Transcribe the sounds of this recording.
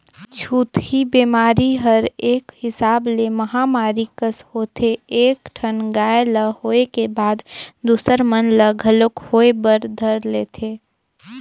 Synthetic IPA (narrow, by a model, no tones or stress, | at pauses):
t͡ʃʰuːt̪hibeːmaːɾiɦəɾeːkhɪsaːbleməɦamaːɾikəshoːt̪ʰeeːkʈʰənɡaːeləhoːekebaːd̪d̪uːsəɾmənləɡʱəlʊkhoːebəɾd̪ʱəɾleːt̪ʰeː